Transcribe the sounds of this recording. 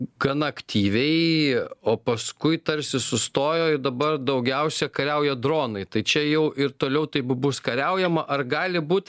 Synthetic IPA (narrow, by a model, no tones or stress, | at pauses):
ɡɐnɐɐkt̪ʲiːʋʲɛɪoːpɐskʊɪt̪ɐɾʲsʲɪsʊst̪oːjoːɪd̪ɐbɐrd̪ɐʊɡʲɛʊsʲɛkɐɾʲɛʊjɛd̪ɾoːnɐɪt̪ɐɪt͡ʃʲɛjɛʊʔɪɾt̪oːlʲɛʊt̪ɐɪpbʊskɐɾʲɛʊjɛmɐʔɐrɡɑːlʲɪbuːt̪